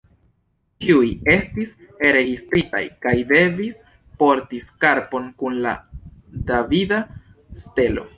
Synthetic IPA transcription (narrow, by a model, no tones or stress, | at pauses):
t͡ʃiuje̞stiseɾe̞ɡistɾita̰jkajde̞vis | po̞ɾtiskaɾpo̞nkunla̰davida | ste̞lo̞̰